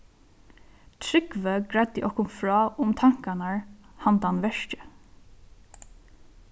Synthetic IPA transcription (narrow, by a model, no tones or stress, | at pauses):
t̪ʰɾʏɡʋøːɡɹɛd̪ɪʔɔkʰʊmfɹɑːʔʊmt̪ʰɑŋkɑnæɹhɑnd̪əɑnʋɛʃcə